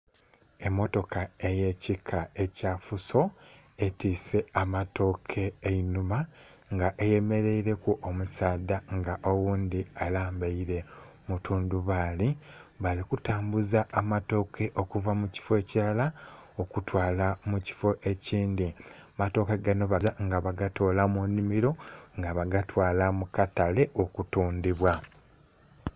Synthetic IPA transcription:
e̞mːo̞to̞kae̞je̞cikʰae̞cafuso̞ | e̞tiːse̞amato̞kʰe̞ːinuma | ŋɡaʔeje̞me̞ɾe̞iɾe̞kuʔomusaːdaŋɡaʔowuːnd̪ialaːmbaiɾe̞ | mutʰuːnduβaːliβalikutaːmbuzaʔːmato̞ːke̞ʔo̞kuvamuci̥fo̞cilalaokutwaːlamuci̥fo̞ʔe̞ciːnd̪imato̞ːkeɡano̞βazaŋɡaβaɡatolamunimiɾo̞ŋɡaβaɡatwaːlamukatale̞ʔokutuːndiβwa

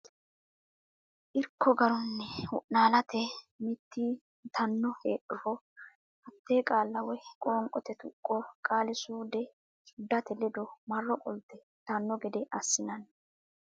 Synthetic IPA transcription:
ʔɪɾkːɔɡɐɾɔnːɛʊʔnaːlɐt̪ɛmɪt̪ːi | t̪ʰɐnːɔheːʔʊfɔ | ʔɐt̪ːeːkʼaːlːɐwɛkʼoːŋkʼɔt̪ɛt̪ʊkʼːɔkʼaːlɪsuːd̪ɛ | t͡ʃʊd̪ːɐt̪ɛlɪd̪ɔmɐrːɔkʼɔlt̪ːɛ | t̪ɐnːɔɡɛd̪ɛʔɐsːɪnɐn

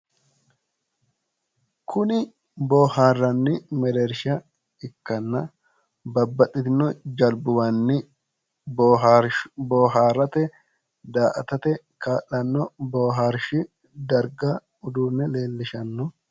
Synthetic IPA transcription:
kʰʊnɪ | boːhaːrːɐnːɪmɛd̪ɛɾʃɐ | ɪkːɐnːɐ | bɐbːɐt̪ʼːɪt̪ɪnːɔd͡ʒɐlbʊwɐnːɪ | bɦboːɦaːrɐt̪ɛ | d̪aːʔɐt̪ɐt̪ɛ | kaːʔːɐnːɔboːɦaːɾʃɪ | d̪ɐɾɡɐ | ʊd̪uːnːɛle̞ːlːɪʃɐnːɔ

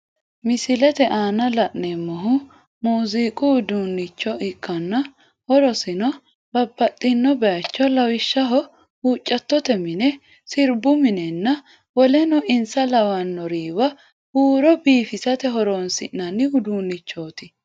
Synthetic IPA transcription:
mɪsɪlɛt̪ɛʔaːnɐlɐʔnɛmːɔɦʊ | muːziːkʼʊʊd̪uːnːɪt͡ʃːɔʔɪkʼːɐnːɐ | hɔɾɔsɪnɔ | b̥ɐbːɐt̪ʼːɪnːɔbɛjɐt͡ʃːɔlɐwɪʃːɐɦɔ | huːt͡ʃʼːɐt̪ːɔt̪ɛmɪnɛ | sɪɾbʊmɪnɛnːɐ | wɔlɛnɔʔɪnsɐlɐwɐnːɔɾiːwɐ | huːɾɔbiːfɪsɐt̪ɛɦɔɾoːnsɪ̰ʔnːɐnːɪʊd̪uːnːɪt͡ʃːoːt̪ɪ

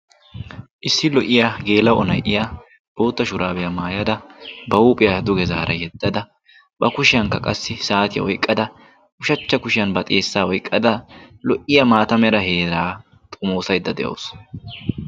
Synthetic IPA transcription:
ʔɪsːɪlɔʔɪjaɡe̞ːlɐwɔnɐ̰jʔɪja | b̥o̞ːt̪ːɐʃʊɾaːbɛjɐmaːjɐd̪ɐbɐuːpʼɪjɐd̪ʊɡɛzaːɾɐjɛd̪ːɐd̪ɐ | bɐkʊʃɪjɐŋkːɐkʼɐsːɪsaːt̪ɪjɐ̰ɔjkʼːɐd̪ɐ | ʔʊʃɐt͡ʃːɐkʊʃɪjɐnbɐt̪ʼeːsːaːɔjkʼːɐd̪ɐlɔʔɪjɐmaːt̪ɐmɛɾɐhe̞ːɾaː | t̪ʼʊmo̞ːsɐjd̪ːɐd̪ɛjo̰ːs

